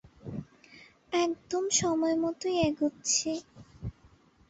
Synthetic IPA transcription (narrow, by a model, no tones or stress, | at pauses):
ɛk̚d̪omʃɔmɔemɔt̪ojeɡut̪ːt͡ɕʰe